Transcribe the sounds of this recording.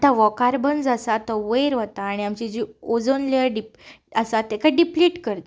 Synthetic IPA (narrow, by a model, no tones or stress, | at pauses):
t̪aʋɔkaɾbənd͡zasat̪əʋəjɾʋət̪aːɽ̃iamt͡ɕid͡ʑiod͡zənleəɾɖip | əsat̪ekaɖipliʈkəɾt̪